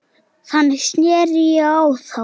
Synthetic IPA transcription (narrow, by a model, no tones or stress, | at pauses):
θanːɪsnjɛːɾiawθa